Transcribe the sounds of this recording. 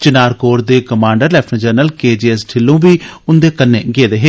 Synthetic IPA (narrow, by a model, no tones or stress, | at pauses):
t͡ʃɪnaːɾkoːɾd̪eːkəmãːɳɖəɾlɛːpʰniːd͡ʒəɾnəlkeːd͡ʒiːɛsʈʰɪlːõːbiːʊnd̪eːkənːeːɡeːd̪eːɦeː